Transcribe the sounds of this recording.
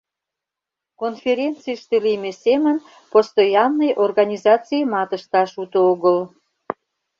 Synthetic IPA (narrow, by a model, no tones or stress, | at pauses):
konfʲeɾʲent͡sɨʃt̪elimesemən | post̪ojɑmnəjʔorɣɑnʲizɑt͡siəmɑt̪əʃt̪ɑʃut̪ooɣəl